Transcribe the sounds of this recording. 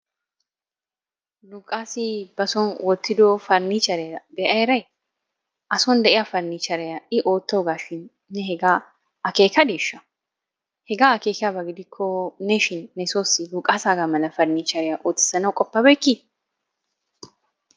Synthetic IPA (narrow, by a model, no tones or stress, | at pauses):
luːkʼaːsɪbɐsɔnwɔt̪ːɪd̪oːfɐɾnit͡ʃɐɾɛɐbɛʔɐjɛɾɐj | ʔɐsɔnd̪ɛʔɪjafɐɾnit͡ʃɐɾɛjɐʔɪʔoːt̪ːɐɡaːʃɪnː | ɛhɛɡaː | ɐkeːkɐd̪eːʃːɐ | hɛɡaːɐkeːkɪjabɐɡɪd̪ɪkʰːɔnɛʃɪnːɛsoːsɪluːkʼaːsaːɡamɐlɐfɐɾnit͡ʃɐɾɪjɐʔoːt̪ːɪ̥sɐnɐwkʼɔpːɐbɐjkːi